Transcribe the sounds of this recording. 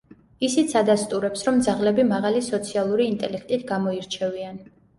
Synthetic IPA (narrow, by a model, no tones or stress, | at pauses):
isit̪sʰad̪ast̪ʼuɾɛpsɾɔmd̪zaʁlɛbimaʁalisɔt̪sʰialˠuɾiːnt̪ʼɛlɛkʰt̪ʼit̪ʰɡamɔiɾt͡ʃʰɛvian